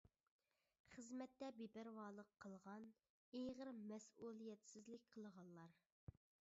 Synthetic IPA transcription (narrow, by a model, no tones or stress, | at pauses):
χəzmɛt̪ːɛbebæɾwɑːlˠəqʰːəlˠʁɑn | ejʁəɾmɛsulˠijɛt̪sɪzlɪk̚ʲqʰəlˠʁɑlˠlˠɑɾ